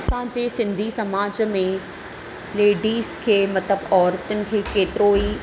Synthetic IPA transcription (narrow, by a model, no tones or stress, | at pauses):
ɐsãd͡ʑeːsɪ̃nd̪ʱisɐmaːd͡ʑmẽ | leːɖiːzkʰeːmɐt̪ləbɔːɾt̪ʊnɪ̆kʰeːkeːt̪ɪɾoːi